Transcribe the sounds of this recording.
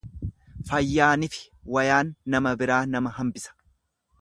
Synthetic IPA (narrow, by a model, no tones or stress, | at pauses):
fɐjːaːnɪfɪ̥ | wɐjaːnːɐmɐbɪɾaːnɐmɐɦɐmbɪsɐ̥